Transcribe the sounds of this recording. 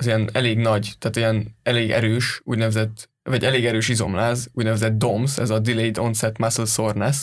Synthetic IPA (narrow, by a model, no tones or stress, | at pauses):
ɒzijɛnɛleːɡnɒɟt̪aːt̪ijɛnɛleːɡɛ̰ɾøːʃṵːɟnɛvɛzɛt̪ː | vɒɟɛleːɡɛɾøːʃizo̞̰mlaːzuːɟnɛvɛzɛt̪̚d̪o̞msɛ̰zɒd̪ilejid̪o̞nsɛt̪maslsornɛs